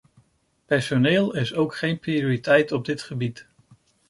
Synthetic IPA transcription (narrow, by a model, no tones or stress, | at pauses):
pɛɹsonɪːlˠɪsowkχejnprioɹitɛjtɔb̚dɪtχəbit